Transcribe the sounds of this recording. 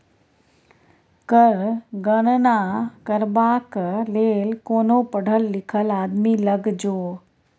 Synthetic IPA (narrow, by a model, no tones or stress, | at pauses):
kəɾɡəɽ̃nakɐɾbaːkleːlkoːnopɐɽ̤ʱəlːɪkʰəlaːd̪milɐɡd͡ʑoː